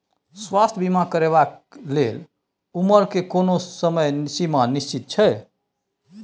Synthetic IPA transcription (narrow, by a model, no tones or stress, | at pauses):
swast̪ʰbimakəɾeβaklel | uməɾkekonosəməjnsimanist͡ʃit̪̚t͡ʃʰɛj